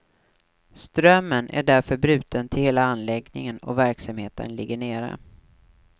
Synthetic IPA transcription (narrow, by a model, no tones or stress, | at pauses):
st̪ɾœmːənæ̰ɖæɾfœɾbɾʉ̟ːt̪ʰənt̪ʰɪlheːlaanlɛɡnɪ̰ŋənɔ̰væɾksamheːt̪ʰə̰nlɪɡːəɳeːɾə̰